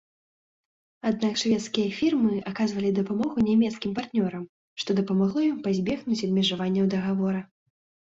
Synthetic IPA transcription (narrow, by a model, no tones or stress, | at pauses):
ad̪̚nakʂvʲɛt̪skʲijɐfʲirmɨakazvɐlʲid̪ɐpamɔɣunʲamʲɛt̪skʲimpart̪nʲɔɾɐm | ʂt̪ɔd̪ɐpɐmaɣlˠɔjimpazʲbʲɛxnut͡sʲɐd̪mʲiʐavanʲːɐwd̪ɐɣavɔɾɐ